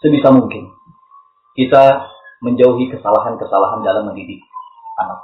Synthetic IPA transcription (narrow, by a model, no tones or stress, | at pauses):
səbisamuŋkɪn | kit̪a | məɲd͡ʒauɦikəsalaɦankəsalaɦandalamːəndidɪk̚ | anak̚